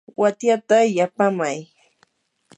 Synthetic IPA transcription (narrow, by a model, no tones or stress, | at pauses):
wat̪jat̪ajapamaj